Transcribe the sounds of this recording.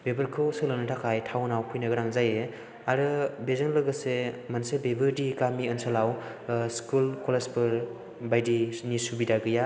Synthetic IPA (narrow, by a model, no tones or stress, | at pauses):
bebɯɾkʰɯwsɯlɯnɯtʰakʰajtʰawnawpʰujnaɡɯɾaŋzaje | aɾɯbezɯŋlɯɡɯsemansebebɯɾdiɡamiənsalawskulkɔlespɯɾ | bajdinisubidaɡɯja